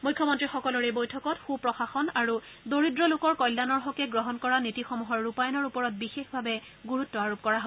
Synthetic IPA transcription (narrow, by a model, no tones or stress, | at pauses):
mujkʰːjɔmɔntɹixɔkɔlɔɹebojtʰɔkɔtxupɹɔxaxɔnaɹu | doɹidɹɔlʊkɔɹkɔjlːanɔɹɦɔkɛɡɹɔɦɔnkɔɹanitixɔmuɦɔɹːupajɔnɔɹupɔɹɔt̚bixexbʱabɛ | ɡuɹutːɔaɹup̚kɔɹaɦɔ